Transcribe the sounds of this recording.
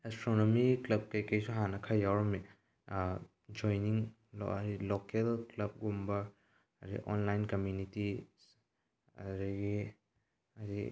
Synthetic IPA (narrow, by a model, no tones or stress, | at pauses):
estɾonomiklɐb̚kɐjkɐjsuɦanɐkʰɐjːawɾɐmi | d͡ʒojniŋ̰ | ɾilokelklɐb̚ɡumbɐ | ɐɾḭʔo̰nlajnkɐmjuniti | ɐ̰ɾiɡi | aɾi